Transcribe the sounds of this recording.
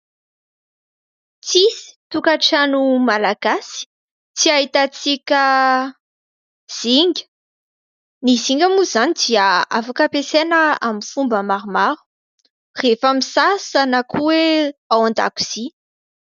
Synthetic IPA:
t͡sisi̥t̪ukaʈ͡ʂanumalaɡ̥asi̥ | t͡siaɦit̪at͡sikʲə | z̥iŋɡʲə̥ | niziŋɡʲamuzanid̪iəa̰fakəpesenəamifumbəmaɾumaɾu̥ | refamisasanakʰuweawãnd̪a̰ku̥z̥i

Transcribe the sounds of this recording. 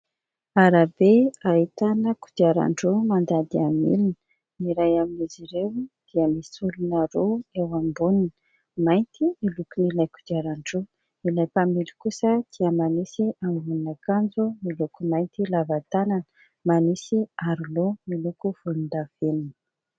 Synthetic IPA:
aɾabeaɦit̪anəku̥d̪̥iaɾa̰ɳɖ͡ʐomand̪ad̪iamḭlinə̥ | iɾajaminiziɾewd̪̥iəmisulunaɾoewambunin | majnt̪imilukunilajku̥d̪iaɾaɳɖ͡ʐo | ilajpamilkusəd̪̥iəmanisiambunnakand͡zumilukumajnt̪ilavat̪ananə̥ | manisiaɾulomilukuv̥ulund̪av̥eninə̥

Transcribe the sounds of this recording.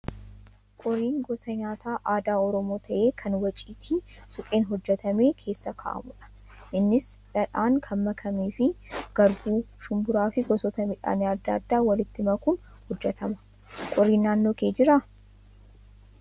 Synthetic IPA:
kʼɔɾiːŋɡɔsɐɲaːt̪ʰaːʔaːd̪aːɔɾɔmoːt̪ʰɐʔe̞ːkʰɐnwɐt͡ʃʼiːt̪ʰiːsʊpʼe̞ːnɦɔd͡ʒːɛt̪ɐme̞ːkʰe̞ːsːɐkʰa̰ʔɐ̰mʊᶑɐ̥ | ʔɪnːɪsᶑɐᶑaːŋkʰɐmːɐkʰɐmeːfɪɡ̥ɐɾbuːʃʊmbʊɾaːfɪɡɔsɔt̪ɐmɪᶑa̰ːneɐd̪ːɐɐd̪ːaːwɐlɪt̪ːɪmɐkʊn | hɔd͡ʒːɛt̪ʰɐmɐ̥ | kʼɔɾːiːnːaːnːoːkeːd͡ʒɪɾa

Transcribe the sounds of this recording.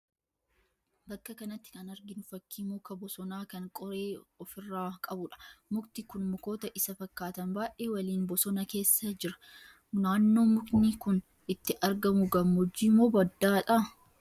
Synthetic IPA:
bɐkːɐkɐnɐt̪ːɪ̥kɐnɐɾɡɪnʊfɐkːiːmoːkɐbɔsɔnaːkɐŋkʼɔɾe̞ːɔfɪrːaːkʼɐbʊᶑɐ̥mʊkt̪ɪkʊnmʊko̞ːt̪ɐʔɪsɐfɐkːaːt̪ɐnbaːʔʔe̞ːwɐliːnbɔsɔnɐke̞ːsːɐd͡ʒɪɾɐ̥ | naːnːo̞ːmʊknɪkʊn | ɪt̪ːɪʔɐɾɡɐmʊɡɐmːɔd͡ʒːiːmoːbɐd̪ːaːtʼa

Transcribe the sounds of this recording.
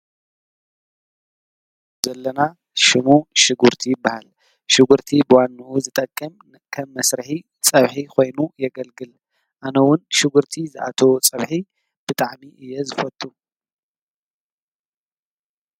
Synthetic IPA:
zɐlːɐna | ʃɪmuʃɪɡuɾt̪ʰijɪbːahal | ʃɪɡuɾt̪ʰibɨwanːɐʔuzɨt̪ʼɐkʼːɐm | kʰɐmːɐsɾɨħi | t͡sʼɐβħikʰo̞jnujɛɡɐlɡɨl | ʔanɐwʊnʃɪɡuɾt̪ʰizɨʔa̰t̪ʰɐwot͡sʼɐβħi | b̥ɨt̪ʼaʕmiʔɨjːɛzɨfɐt̪ʼu

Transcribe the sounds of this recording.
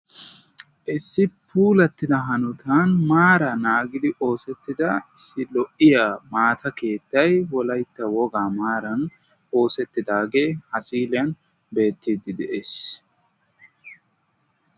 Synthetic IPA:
ʔɪsːɪpʰuːlɐt̪ːɪd̪ɐɦɐnʊt̪ʰanmaːɾɐnaːɡɪd̪ɪʔo̞ːsɛt̪ːɪd̪ɐɪsːɪlɔʔɪjaːmaːt̪ʰɐke̞ːt̪ːɐjwɔlɐjt̪ːɐwɔɡaːmaːɾɐn | o̞ːsɛt̪ːɪd̪aːɡe̞ːhɐsiːlɪɐn | be̞ːt̪ːiːd̪ɪd̪ɛʔeːs

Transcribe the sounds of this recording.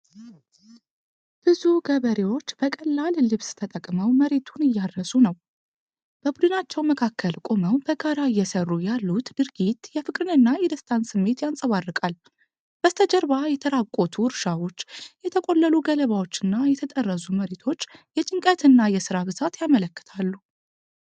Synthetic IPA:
b̥ɨzuɡəβəɾewo̞t͡ʃːb̥əkʼəlːallɨβst̪ʰət̪ʼəkʼməwməɾe̞t̪ʰunɨjːaɾːəsunəw | b̥əbud̪ɨnat͡ʃːɛwməkʰakʰːəlkʼo̞məwbəɡaɾaɨjːɛsərːujalːut̪d̪ɨɾɡit̪jɛfɨkʼɾɨnɨnːajɛd̪əst̪ʰansɨmːe̞t̪jansʼəβarːɨkʼal | b̥əst̪ʰəd͡ʒəɾβajɛt̪ʰəɾakʼo̞t̪ʰuɾʃawo̞t͡ʃːjɛt̪ʰəkʼo̞lːəluɡələβawo̞t͡ʃːɨnːajɛt̪ʰət̪ʼərːəsuməɾet̪ʰo̞t͡ʃːjɛt͡ʃʼɪŋkʼət̪ɨnːajɛsɨɾabɨzat̪jamələkːə̥t̪ʰalːu

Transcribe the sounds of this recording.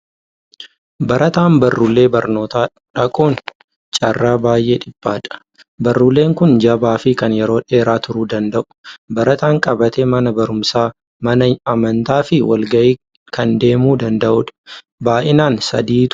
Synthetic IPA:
bɐɾʔɐt̪aːmbɐrːulːe̞ːbɐɾno̞ːt̪aː | ᶑɐkʼoːn | t͡ʃʼɐrːaːbaːjʔe̞ːᶑɪb̥ːaːᶑɐ̥ | bɐrːulːe̞ːŋkʊnd͡ʒɐbaːfɪkɐnjɛɾo̞ːᶑe̞ːɾaːt̪ʊɾuːd̪ɐnd̪ɐʔʊ̥bɐɾɐt̪aːŋkʼɐbɐt̪eːmɐnɐbɐɾʊmsaː | mɐnɐɐmɐnt̪aːfɪwɐ̰lɡɐʔiː | kʰɐnd̪e̞ːmuːd̪ɐnd̪ɐʔʊᶑɐ̥ | baːʔɪnaːnsɐ̰d̪iːt̪

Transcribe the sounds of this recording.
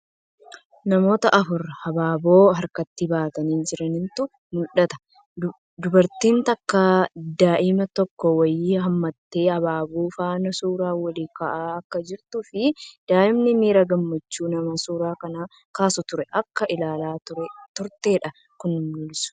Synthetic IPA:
nɐmo̞ːt̪ɐʔɐfʊɾhɐbaːbo̞ːɦɐɾkɐt̪ːɪbaːt̪ɐniːnd͡ʒɪɾɐnɪnt̪ʊ | mʊlᶑɐt̪ɐ̥ | d̪ʊbɐɾt̪iːnt̪ɐkːaːd̪aːʔɪmɐt̪ɔkːɔwɐjːiɐmːɐt̪ːe̞ːɐbaːbuːfaːnɐsuːɾaːwɐliːkɐʔaːɐkːɐd͡ʒɪɾt̪ʊfɪd̪̥aːʔɪmnɪmiːɾɐɡɐmːɐt͡ʃːuːnɐmɐsuːɾaːkɐnaː | kaːsʊt̪ʊɾɛʔɐkːɐʔɪlaːlaːt̪ʊɾɛt̪ʊɾt̪e̞ːᶑɐ | kʊnːɪmːʊlɪsʊ̥

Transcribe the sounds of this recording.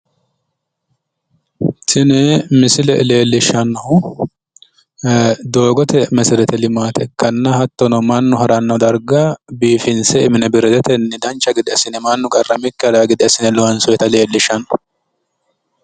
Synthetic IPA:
tɪnɛmɪsɪlɛle̞ːlːɪʃɐnɐhʊ | d̪o̞ːɡɔt̪ɛmɛsɪɾɛt̪ɛlɪmaːt̪ɛkːɐnːɐhɐt̪ːɔnɔmɐnːʊhɐɾɐnːɐd̪ɐɾɡabiːfɪnsɛɪmɪnɛbɪɾɛd̪ɛt̪ɛnːɛd̪ɐnt͡ʃːɐɡɪd̪ɛɐsɪnɛmɐnːʊkʼɐrːɐmɪkːɛd̪aɡɪd̪ɛɐsɪnɛlɔhɐnsɔjɛt̪ɐle̞ːlːɪʃɐnɔ

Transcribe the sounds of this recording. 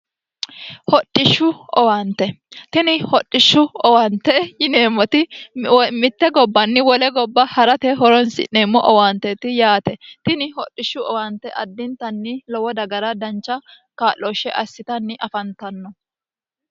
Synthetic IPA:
hɔɗʼːɪʃːʊɔwant̪ːɛ | t̪ɪnɪhɔɗʼːɪʃːʊɔwant̪ɛjɪne̞ːmːɔt̪ɪ | mɪt̪ːɛɡɔbːɐnːɪwɔlɛɡɔbːɐhɐɾɐt̪ɛɦɔɾɔnsɪ̰ʔeːmːɔʔɔwaːnt̪ːɛt̪ɪjaːt̪ɛt̪ɪnɪhɔɗʼːɪʃːʊʔɔwant̪ːɛʔɐd̪ːɪnt̪ɐnːɪlɔwɔd̪ɐɡɐɾɐd̪ɐnt͡ʃːɐ | kaːlːɔʃːɛʔɐsːɪt̪ɐnːɪʔɐfɐnt̪ɐnːɔ

